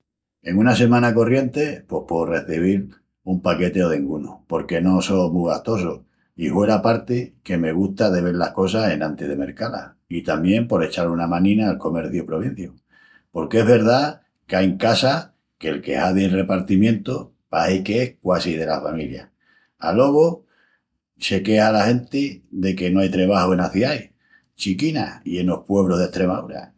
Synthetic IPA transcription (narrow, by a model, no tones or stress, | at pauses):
e̞ŋũnase̞mãnako̞rje̞nt̪e̞po̞hpo̞re̞θiβ̞il | umpake̞t̪e̞o̞ð̞eŋɡuno̰po̞ɾke̞no̞so̞muɣaht̪o̞so | ihwe̞ɾapaɾt̪eke̞me̞ɣ̞ust̪aðe̞β̞e̞ɾlahko̞s̬ase̞nant̪eð̞eme̞ɾkala̰ | it̪amjẽ̞mpo̞ɾe̞t͡ʃaɾunamãnĩnaːlko̞me̞ɾθjupɾo̞β̞in̟θjo | po̞ɾkeeɦβe̞ɾð̞a | keajŋkasa | kelke̞̰haðienre̞paɾt̪imjẽ̞nt̪o | pahikeehkwasið̞e̞la̰familja̰ | alo̞ɣo | se̞ke̞halahe̞nt̪iðe̞ke̞noajt̪ɾe̞βahoenaθjaj | t͡ʃikinaie̞no̞hpwe̞βɾoɦðe̞ht̪ɾe̞mauɾa̰